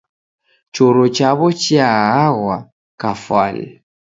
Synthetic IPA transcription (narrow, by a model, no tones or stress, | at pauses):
t͡ʃɔɾɔt͡ʃaβɔt͡ʃiaaɣwa | kafa̰lɛ̰